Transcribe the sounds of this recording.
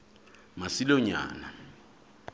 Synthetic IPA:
masilɔɲa̰ːna

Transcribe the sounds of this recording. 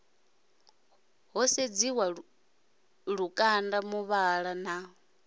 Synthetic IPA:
ɦɔsed͡ziwa | ɺukʼandamuβaɺana

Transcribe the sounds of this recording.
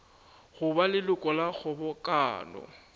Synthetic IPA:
ɣʊbalɪlʊkʼɔlak͡xʰʊbɔkʼa̰ːnɔ̰

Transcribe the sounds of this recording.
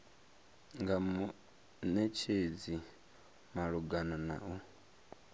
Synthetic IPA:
ŋɡamu | nɛt͡ʃʰed͡zi | maɺuɡanana̰ɔ

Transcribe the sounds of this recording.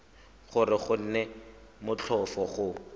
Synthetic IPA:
χʊrɪχʊn̩nɛmʊt͡ɬʰɔfɔχʊ

